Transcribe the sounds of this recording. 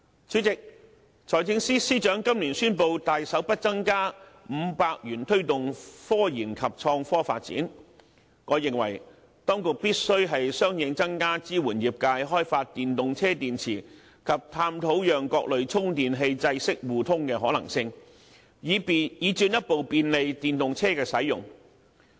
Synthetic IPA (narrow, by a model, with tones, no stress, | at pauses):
t͡ʃʰyː˨˥t͡sɪ˨k̚ | t͡sʰɔː˨˩jt͡sɪ˧ŋsiː˥siː˥t͡ʃœː˨˥ŋkɐ˥mliː˨˩nsyː˥npo˨˧wt̪aː˨jsɐ˨˥wpɐ˥t̚t͡sɐ˥ŋkaː˥m̩˨˧paː˧k̚jyː˨˩nt̪ʰɵ˥ɥt̪ʊ˨ŋfɔː˥jiː˨˩nkʰɐ˨p̚t͡sʰɔː˧ŋfɔː˥fa̰ː˧t̚t͡sḭː˨˥n | ŋɔː˨˧jɪ˨ŋwɐ̰˨˩j | t̪ɔː˥ŋkʊ˨k̚piː˥t̚sɵ˥ɥɦɐ˨jsœː˥ŋjɪ˨˧ŋt͡sɐ˥ŋkaː˥t͡siː˥wuː˨˩njiː˨p̚kaː˧jɦɔː˥jfaː˧t̚t̪iː˨nt̪ʊ˨ŋt͡sʰɛː˥t̪iː˨nt͡sʰiː˨˩ | kʰɐ˨p̚t̪ʰaː˧mt̪ʰo˨˥wjœː˨ŋkɔː˧k̚lɵ˨ɥt͡sʰʊ˥ŋt̪iː˨nɦe˧jt͡sɐ˧jsɪ˥k̚wuː˨t̪ʰʊ˥ŋkɛː˧ɦɔ̰ː˨˥lɐ̰˨˩ŋsɪ˧ŋː˨˧ | jiː˨˧t͡ʃyː˧njɐ˥t̚po˨wpiː˧nle˨˧jt̪iː˨nt̪ʊ˨ŋt͡sʰɛː˥kɛː˧sɐ˨˥jʊ̰˨˩ŋ